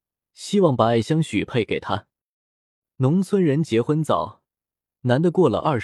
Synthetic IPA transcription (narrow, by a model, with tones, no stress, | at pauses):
ɕi˥wɑ˥˩ŋpa˧˥˩ɕjɑ˥ŋɕy˨˩pʰe˥˩ɪke˨˩ɪt̪ʰa˥ | nʊ˧˥ŋt͡sʰwə˥nɻə˧˥nt͡ɕjɛ˧˥xwə˥nt͡sɑ̰˨˩˦ʊ | na˧˥nd̪ə˧kwɔ˥˩lə̰˩ʔɐ˞˥˩